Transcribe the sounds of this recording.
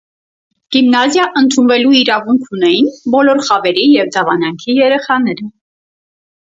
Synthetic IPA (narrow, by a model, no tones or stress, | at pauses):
ɡ̥imnɑzjɑʔənt̪ʰunvɛluiɾɑvuŋkʰunɛjinbɔlɔɾχɑvɛɾijɛvd̪ɑvɑnɑŋkʰijɛɾɛχɑnɛɾə